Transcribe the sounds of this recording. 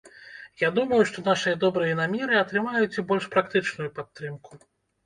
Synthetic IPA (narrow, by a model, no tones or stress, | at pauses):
jad̪umɐjuʂt̪ɔn̪aʂɨjɐd̪ɔbɾɨjɐnamʲɛɾɨɐt̪ɾɨmajut͡sʲibɔlʲʂpɾakt̪ɨt͡ʂnujupat̪ːɾɨmku̥